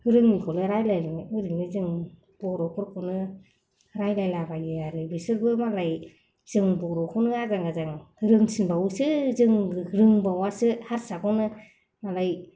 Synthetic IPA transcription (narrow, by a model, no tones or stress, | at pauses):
hɯɾɯŋmikʰɔlɯɾajlajɾŋɯɾɯŋnizɯŋ | b̥ɔɾɔkʰɔɾkʰɔnɯ | ɾajlajlabajɯaɾɯbisɯɾbɯmalaj | z̥ɯŋbɔɾɔkʰɔnɯazaŋɡazaŋhɯɾɯŋsinbawusɯzɯŋɾɯŋbawasɯhaɾsakɔnɯ | malaj